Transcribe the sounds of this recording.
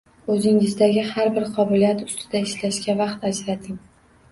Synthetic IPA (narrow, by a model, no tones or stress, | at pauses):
ɵzɪŋɪzd̪aɡʲɪhaɾbɪɾqʰɒbɪlijat̪ʊ̥st̪ʰɪd̪aɪʃlaʃkʲavɑqt̪ad͡ʒɾat̪ʰɪŋ